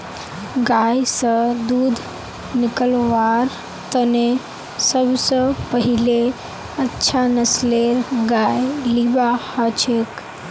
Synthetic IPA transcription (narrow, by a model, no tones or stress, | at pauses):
ɡajsə̃d̪ud̪ʱ | nikəlʋaɾ | t̪əne | səbʱsə̃pəɦile | ətːʃʰanəsleɾɡajlibahət͡ʃʰek